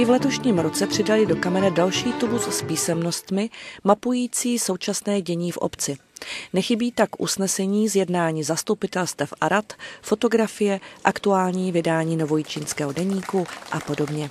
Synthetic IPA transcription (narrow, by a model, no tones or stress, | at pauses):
ɪvlɛt̪o̞ʃɲiːmɾo̞t͡sɛpr̝̥ɪdalɪdo̞kamɛnadalʃiːt̪ubusspiːsɛmno̞st̪mɪmapujiːt͡siːso̞wt͡ʃasnɛːɟɛɲiːfʔo̰pt͡sɪnɛxɪbiːt̪akʔṵsnɛsɛɲiːzjɛdnaːɲiːzast̪upɪt̪ɛlst̪vɛfʔaɾat̪fo̞t̪o̞ɡɾafɪjɛʔakt̪uaːlɲiːvɪdaːɲiːno̞vo̞jit͡ʃiːnskɛːɦo̞dɛɲiːkuʔapo̞do̞bɲɛ